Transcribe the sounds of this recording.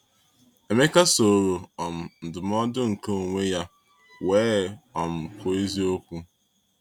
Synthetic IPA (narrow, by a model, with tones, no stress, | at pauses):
e˨me˦ka˦so˨ɾo˨ɔ˨m̩˨n̩˨dʊ˨m˦ɔ˦dʊ˦ŋ̩˨ko˦o˨ŋʷe˦ja˦ | we˨˦ɔ˨m̩˨ko˨e˦zi˦o˦kʷu˦